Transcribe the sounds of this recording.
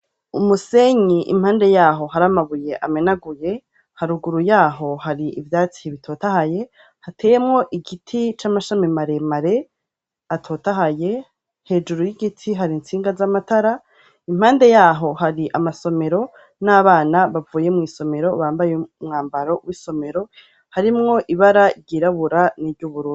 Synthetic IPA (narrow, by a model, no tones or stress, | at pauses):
umuse̞ɲiʔḭm̥haːnde̞jaːɦo̞haɾamaβuje̞ʔame̞naɡuje̞ | haɾuɡuɾujaːɦo̞haɾiivjaːt͡si̥hiβitʰo̞ːtahaje̞ | hatʰeːjemŋo̞ʔiɡitʰit͡ʃamaʃamimaɾe̞maɾe̞ | atʰo̞ːtaɦaje̞ | he̞ːd͡ʒuɾujiɡitʰiɦaɾint͡siːŋɡazamatʰaɾa | im̥haːnde̞jaːɦo̞haɾiʔamaso̞me̞ɾo̞ | naːβaːnaβavuːje̞mŋiːso̞me̞ɾo̞βaːmbajeumŋaːmbaɾo̞wiso̞me̞ɾo̞ | haɾimŋo̞ʔiβaɾaɾɟiɾaβuɾaniɾɟuβuɾuː